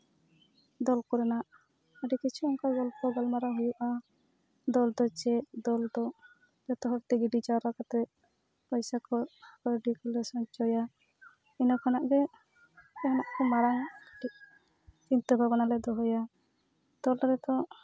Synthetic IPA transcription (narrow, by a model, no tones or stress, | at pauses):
d̪ɔlkɔɾɛnaʔ | əɖɛkit͡ʃʰuɔŋkaɡɔlpɔɡɔlmaɾɔɦujuʔa | d̪ɔld̪ɔt͡ʃɛʔd̪ɔld̪ɔ | d͡ʒɔt̪ɔɦɔɾt̪ɛɡiɖit͡ʃaɾakat̪ɛ | pɔjsakɔkɔɖikulɛsɔɲt͡ʃɔja | inɔkʰanaʔɡɛ | kɛɦɔnaʔkɔmaɾaŋʈiʔ | t͡ʃint̪ɔbʱabɔnalɛd̪ɔɦɔja | d̪̥ɔlɾɛt̪ɔ